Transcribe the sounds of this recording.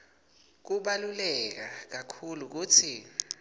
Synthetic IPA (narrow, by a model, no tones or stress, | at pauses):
k̬uɓalulɛk̬ak̬akʰuluk̬uːt͡sʰi